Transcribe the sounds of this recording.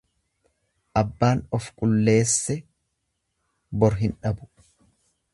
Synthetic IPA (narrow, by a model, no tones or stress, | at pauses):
ʔɐbːaːnɔfkʼʊlːe̞ːsːɛ | bɔɾɦɪnᶑɐbʊ̥